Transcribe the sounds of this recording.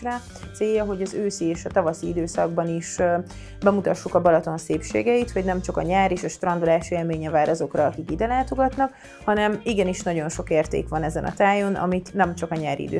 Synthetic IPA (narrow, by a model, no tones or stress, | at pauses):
ra | t̪seːjːɒɦo̞ɟɒzøːsieːʃɒt̪ɒvɒsiid̪øːsɒɡ̚bɒniʃ | bɛmut̪ɒʃːukɒbɒlɒt̪o̞nseːpʃḛːɡɛit̪ho̞ɟnɛmt͡ʃɒkɒ̰ɲaːɾeːʃɒʃt̪rɒnd̪ulaːʃeːlmeːɲɛvaːɾʔɒzo̞krɒɒkikid̪ɛlaːt̪o̞ɡɒt̪nɒk | hɒnɛmiɡɛniʃnɒɟo̞nʃo̞keːrt̪ḛːkʋɒnɛzɛnʔɒ̰t̪aːjo̞nɒ̰mit̪nɛmt͡ʃɒkɒɲaːɾḭḭd̪ø̰ː